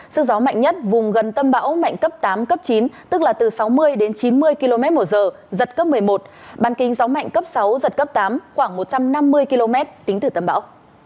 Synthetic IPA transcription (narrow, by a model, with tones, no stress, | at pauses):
sɨ˦˥k̚zɔ˨˦ma̰˧˨jŋɲə˦˥t̚vʊ˨˩ŋ͡mɣə˨˩nt̪ə˧mɓa̰ː˧˥wma̰˧˨jŋ̟kə˦˥p̚t̪aː˨˦mkə˦˥p̚t͡ɕi˨˦nt̪ɨ˦˥k̚laː˨˩t̪ɨ˨˩sa˨˦wmɨ˧əjɗe˨˦nt͡ɕi˨˦nmɨ˧əjki˧lo˧mɛ˦˥t̚mo˧˩zəː˨˩ | zə˨˩t̚kə˦˥p̚mɨ˨˩əjmo˨˩t̚ | ɓaː˨˦nkï˨˦ŋ̟za˨˦wma̰˧˨jŋ̟kə˦˥p̚sa˨˦wzə˨˩t̚kə˦˥p̚t̪aː˨˦mxwaː˧˩ŋmo˨˩t̚t͡ɕa˧mna˧mːɨ˧əjki˧lo˧mɛ˦˥t̚t̪ï˨˦ŋ̟t̪ɨ˨˩t̪ə˧mɓa̰ː˧˥w